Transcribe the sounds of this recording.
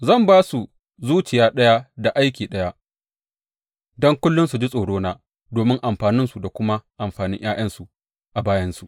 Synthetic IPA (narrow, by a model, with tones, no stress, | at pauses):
zɐ˦˨mbaː˦su˨ | zuː˦t͡ʃɪ˨jaː˦ɗɐ˦ja˦da˨ʔa˦jkʲiː˨ɗɐ˦ja˦ | dɔ˦ŋkʷʊ˦lːʊ˦nsu˨d͡ʒi˦sʼoː˨ɽoː˦naː˦ | doː˨mɪ˦ŋʔa˨mɸaː˨nɪ˦nsu˨da˨kʷʊ˦ma˦ʔa˨mɸaː˨nɪ̰˦ŋj̰ʔaː˦j̰ɐ˦nsu˨ | ʔa˨baː˦jɐ˦nsu˨